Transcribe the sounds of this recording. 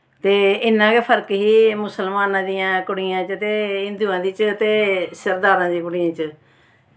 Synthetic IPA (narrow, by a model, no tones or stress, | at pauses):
t̪eːɪnːãːkeːpʰəɾkɦiːmʊsəlmaːnãːd̪ɪjãːkʊɽɪjãːt͡ʃət̪eːɪ̃nd̪uːãːd̪iːt͡ʃt̪eːsəɾd̪aːɾãːd̪iːk̬ʊɽɪjãːt͡ʃə